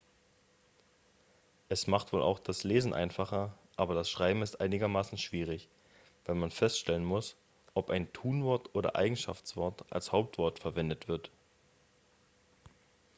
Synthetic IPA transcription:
ʔɛsmaχtv̥oːlʔa̰ʊxd̥asleːzn̩ʔa̰ɪnfaχɐʔaːbɐdasʃʁ̥aɪbm̩ɪstʔaɪnɪɡɐmaːsn̩ʃv̥iːʁ̞ɪç | v̥aɪlmanfɛstʃtɛlənmʊs | ʔɔpʔaɪntʰuːnvɔɐtʔoːdɐ̰ʔa̰ɪɡŋ̩ʃa̰ft͡sv̥ɔɐtʔa̰lshaʊp̚tv̥ɔɐtfɛɐvɛndətv̥ɪɐt

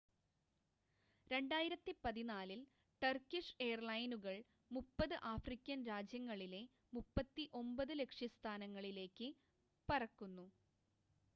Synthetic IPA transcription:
ɾe̞ɳɖaːjiɾɐt̪ːipɐðinaːlil | ʈɐrkiʂejɐrlɐjnuɣɐɭ | mupːɐðɨʔaːfrikʲːɐnɾaːd͡ʑjɐŋːɐɭile̞ | mupːɐt̪ːiʔo̞mbɐðɨle̞kʂjɐst̪ʰaːnɐŋːɐɭile̞ːkːɨ | pɐrɐkːunːu

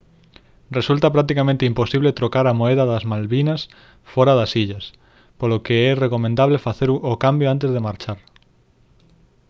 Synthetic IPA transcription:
result̪ɐpɾak̚t̪ikamẽnt̪eimposiβlet̪ɾokaɾamoeðɐðɐzmalβinɐs | fɔɾaðasiʎɐs | polokeɛrekomẽnd̪aβlefaθeɾuokambjoant̪̬ezðemaɾt͡ʃaɾ

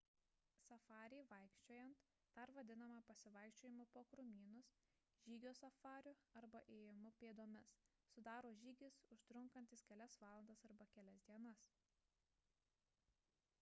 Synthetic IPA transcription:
sɐfɑːɾʲɛɪʋɐɪkʃʲt͡ʃʲoːjɛnt̪ | d̪ɐɾʋɐd̪ʲɪnɐmɑpɐsʲɪʋɐɪkʃʲt͡ʃʲoːjɪmʊpoːkɾʊmʲiːnʊs | ʒʲiːɡʲoːsɐfɑːɾʲʊɐɾbɐʔeːjɪmʊpʲeːd̪oːmʲɛs | sʊd̪ɑːɾoːʒʲiːɡʲɪsʊʃt̪ɾʊŋkɐnʲt̪ʲɪskʲɛlʲɛsʋɑːlˠɐnd̪ɐsɐɾbɐkʲɛlʲɛsʲd̪ʲiɛnɐs

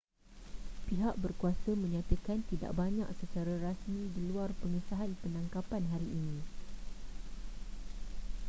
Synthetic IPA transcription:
piɦaʔ̚bərkuasəmə̃ɲãt̪əkant̪ida̰ʔbaɲã̰ʔsət͡ʃaɾaɾasmĩdiluarpəŋisaɦanpənãŋkapanɦaɾiʔːnĩ

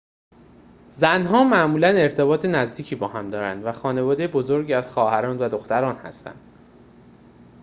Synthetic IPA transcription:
zænɦɒːmæʔmuːlæne̞ɾt̪ʰe̞bɒːt̪ʰenæzd̪iːcʰiːbɒːɦæmd̪ɒːɾænd̪væxɒːne̞vɒːd̪e̞jebo̞zo̞ɾɟiːæz̥xɒːhæɾɒːnvæd̪o̞xt̪æɾɒːnhæ̰st̪æ̰nd̪̥

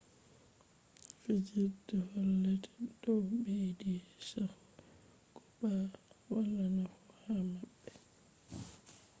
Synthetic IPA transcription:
fid͡ʒidɛhɔlːɛtɛ̥dɔbejdisahu | kɔbawalanafɔhamabːɛ

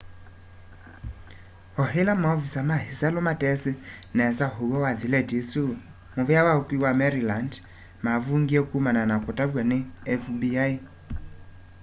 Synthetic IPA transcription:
hɔɦelamaɔvisamahisalɔmatɛsɪnɛsaɦowɔwaðilɛtisu | movɛawaukwiwamɛɾiland | mavuŋɡiɛkumananakɔtabwaneɛfbiai

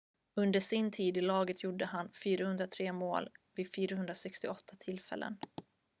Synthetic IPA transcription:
ɵnd̪əʂɪnt̪ʰiːd̪ɪlɑːɡət̪ʰjʊɖːəɦanfyːɾahɵnd̪ɾat̪ʰɾeːmo̰ːlvɪd̪fyːɾahɵnd̪ɾasɛkst̪ɪɔt̪ʰːat̪ʰɪlfɛ̰lːʔə̰n

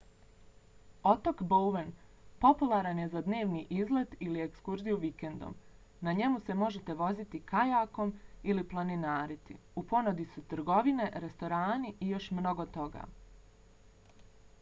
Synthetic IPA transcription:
o̞t̪o̞kbowʋenpo̞pulˠaɾanje̞zad̪ne̞ːʋniːʔizle̞d̪ilie̞kskuɾzijuʋike̞nd̪o̰m | naɲe̞muse̞mo̞ʒe̞t̪e̞ʋo̞zit̪ikajaːko̞miliplˠaninaːɾit̪ḭ | upo̞nod̪isut̪ɾ̩ɡo̞ʋine̞ɾe̞st̪o̞ɾaːniijo̞ʃmno̞ɡo̞t̪o̞ɡa̰ː

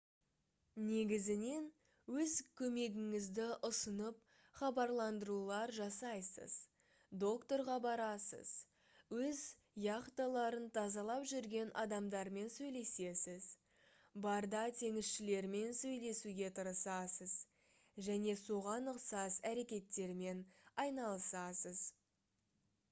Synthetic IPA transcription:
ne̞ɡʲɪzɪne̞n | wɵzkʲʰɵme̞ɡʲɪŋɪzd̪ɪʔʊsənəp̚ | χɑbɑɾlˠɑnd̪əɾulˠɑɾʒɑsɑjsə̰z̥ | d̪o̞kt̪o̞ɾʁɑbɑɾɑsə̰z̥ | wɵz | jɑqt̪ɑlˠɑɾənt̪ʰɑzɑlˠɑpʒʏɾɡʲe̞nʔɑd̪ɑmd̪ɑɾme̞nsɵjle̞se̞sɪz | bɑɾd̪ɑt̪ʰe̞ŋɪsʃɪle̞ɾme̞nsɵjle̞suɡʲe̞t̪ʰəɾəsɑsəz | ʒæne̞soʁɑnəqsɑsæɾe̞kʲe̞t̪ːe̞ɾme̞nɑjnɑlˠəsɑsəz

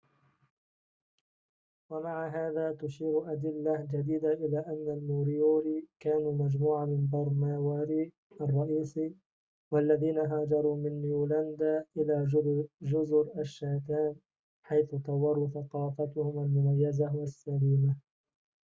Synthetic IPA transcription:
wamaʕaɦaːðaːt̪ʊʃiːɾʔad̪ɪlːad͡ʒad̪iːd̪aʔɪlaːʔanːalmuːɾɪjoːɾiːkaːnuːmad͡ʒmuːʕamɪnbɑɾˤnaːwaːɾiː | ʔɑrˤːɑʔiːsi | walːaðiːnaɦaːd͡ʒɑɾˤuːmɪnjuːland̪aːʔɪlaːd͡ʒʊzɾaʃːaːt̪aːn | ħajθʊt̪ɑwːɑɾˤuːθɑqɑːfat̪ʊhʊmalmʊmajːazawasːaliːma

